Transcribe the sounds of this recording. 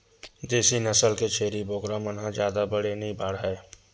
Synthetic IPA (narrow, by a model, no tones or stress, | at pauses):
d̪eːsinəsəlket͡ʃʰeːɾiboːkɾamənɦãd͡ʒjaːd̪abəɽenĩbʱaːɽɦɛː